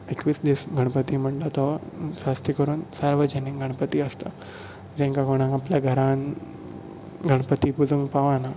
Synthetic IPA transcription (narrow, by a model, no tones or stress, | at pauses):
ekʋiːsd̪isɡʱəɽ̃pət̪iːm̤əɳʈat̪ɔsast̪ikəɾuːnsəɾʋəd͡ʑənikɡʱəɽ̃pət̪iːəst̪a | d͡ʑẽŋkakoɽ̃ãŋapljaɡʱəɾãn | ɡʱəɽ̃pət̪ipud͡zuŋpaʋana